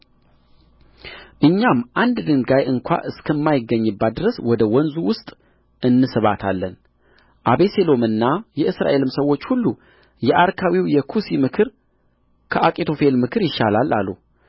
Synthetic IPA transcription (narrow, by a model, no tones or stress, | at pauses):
ʔɨɲːamʔand̪d̪ɨŋɡajɨŋkʷa̰ʔɨskʰəmːajɪɡːəɲːɨbːat̪̚d̪ɨɾəswɔd̪əwɔnzuwʊst̪ʼ | ʔɨnːɨsɨβat̪ʰalːən | ʔaβe̞se̞lo̞mɨnːajɛʔɨsɾa̰ʔe̞lɨmsəwːo̞t͡ʃːhulːu | jɛʔaɾkʰawiwjɛkʰusimɨkʰɨɾ | kʰəʔakʼit̪ʰo̞fe̞lmɨkʰɨɾjɪʃalala̰lːṵ